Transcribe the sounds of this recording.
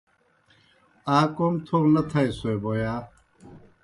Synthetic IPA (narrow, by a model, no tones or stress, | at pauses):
aːkomt̪ʰoːɾnɐt̪ʰaesoeboːjaː